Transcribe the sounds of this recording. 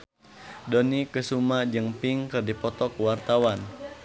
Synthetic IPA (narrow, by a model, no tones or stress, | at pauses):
dɔnikəsumad͡ʒɨŋpiŋkɨrdipɔt̪ɔkwart̪awan